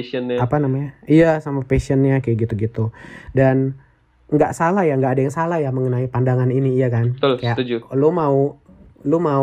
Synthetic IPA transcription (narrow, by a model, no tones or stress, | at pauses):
ənapanamaɲaijasamapesiənɲakaɡit̪uɡit̪udan | ŋɡaʔsalahjaŋɡaʔːdajaŋsalajaməŋənaipandaŋaniniːjakanət̪olkajaʔt̪ud͡ʒulomaulomau